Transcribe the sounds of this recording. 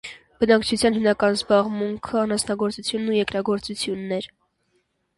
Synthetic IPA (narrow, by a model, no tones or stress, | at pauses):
bənɑkt͡ʃʰut͡sʰjɑnɦimnɑkɑnzbɑʁmuŋkʰəɑnhɑsnɑɡɔɾt͡sut͡sʰjunːujɛkɾɑɡɔɾt͡sut͡sʰjunːɛɾ